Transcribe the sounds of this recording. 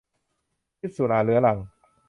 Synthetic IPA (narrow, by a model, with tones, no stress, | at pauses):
i˦˥t̪̚su˨˩laː˧lɯ˦ɐla˨˧˩ŋ